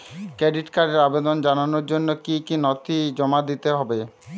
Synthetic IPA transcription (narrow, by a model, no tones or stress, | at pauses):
kɾeɖiʈkaɖeɾabed̪ond͡ʑananoɾd͡ʑonːokikinɔt̪id͡ʑɔmad̪it̪eɦɔbe